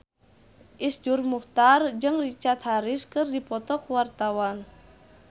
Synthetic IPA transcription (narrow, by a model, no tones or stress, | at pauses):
ʔisd͡ʒurmuht̪ard͡ʒɨŋrit͡ʃart̪̚haɾɪskɨrdipɔt̪ɔkuwart̪awan